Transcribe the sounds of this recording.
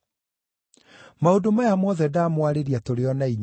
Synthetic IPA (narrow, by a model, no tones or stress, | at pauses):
maodomajamɔðɛdaːmwaɾeɾiatoɾeɔnaiɲ